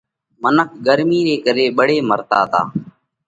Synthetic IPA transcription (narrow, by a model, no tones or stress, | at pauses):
mənək̚ʰɡəɾmiːɾeːkəɾeːɓəɽeːməɾt̪a̰ːt̪a̰ː